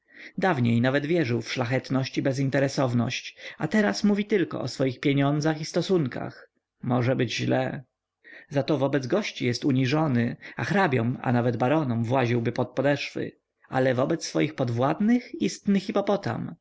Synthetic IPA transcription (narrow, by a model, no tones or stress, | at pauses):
d̪avɲejnavɛd̪vʲjɛʐɘwfʂlaxɛt̪nɔɕt͡ɕibɛzint̪ɛɾɛsɔvnɔ̰ɕt͡ɕat̪ɛɾasmuvʲit̪ɘlkɔ̰ɔsfɔjixpʲjeɲɔnd̪zaxist̪ɔsuŋka̰x | mɔʐɛbɘd͡ʑʑlɛ | zat̪ɔvɔbɛd̪zɡɔɕt͡ɕijɛst̪uɲiʐɔnɘaxɾabʲjɔma̰navɛd̪baɾɔnɔmvwaʑiwbɘpɔt̪̚pɔd̪ɛʂfɘ̰ | a̰lɛvɔbɛt̪sːfɔjixpɔd̪vwad̪nɘxist̪nɘxipɔpɔt̪a̰m